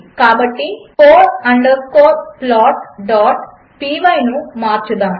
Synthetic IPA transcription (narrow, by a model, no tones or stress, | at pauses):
kaːbɐʈːipoːʈɐɳɖɐkoːplaːʈ̚ɖaːʈ | piːʋɐjnumaːɾt͡ʃud̪aːm